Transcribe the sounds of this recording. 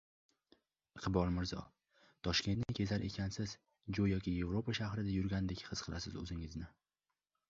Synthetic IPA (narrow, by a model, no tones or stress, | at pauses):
qʰɨbɒlˠmɪɾzɒ̰ | t̪ʰɒʃkʲe̞nt̪nɪkʲʰe̞zaɾʔe̞̰kʲʰansɪz | d͡ʒojːɒkʲɪje̞vɾopaʃahɾɪd̪ajʊɾɡʲand̪ekʲhɨz̥qʰɨlʔasɪzɵ̰zɪŋɪznɪ